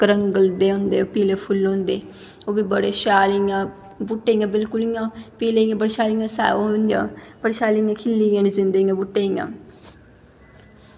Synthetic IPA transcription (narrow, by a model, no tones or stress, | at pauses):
kɾəŋɡəld̪eːõːnd̪eːoːpiːleːpʰʊlõːnd̪eː | oːbiːbəɽeːʃaːlijãː | bʊʈːeːjãːbɪlkʊlijãːpiːleːijãːbəɽeʃaːlijãːsa̰ːoõnd̪jã̰ːpəɽeʃaːlijãːkʰɪlːiːjãːnizɪnd̪eːjãːbʊʈːeːijã̰ː